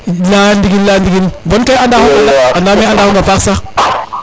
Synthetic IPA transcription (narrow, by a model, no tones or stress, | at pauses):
landiɡinlandiɡinbonkajandahuŋɡalaandamiandahoŋɡafaksa